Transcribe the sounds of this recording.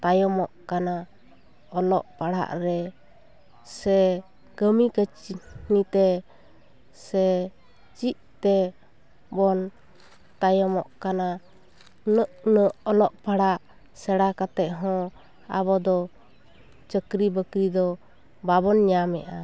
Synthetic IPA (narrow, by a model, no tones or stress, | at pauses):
t̪ajɔmɔʔkana | ɔlɔ̰ʔpaɽa̰ʔɾɛ | sɛ | ɡəmikət͡ʃinit̪ɛ | sɛ | t͡ʃiʔt̪ɛ | bɔn | t̪ajɔmɔʔkana | nəʔnəʔɔlɔʔpaɽaʔ | sɛɽakat̪ɛʔɦɔ̃ | a̰βɔd̪ɔ | t͡ʃəkɾibəkɾid̪ɔ | baβɔnɲamɛ̰ʔa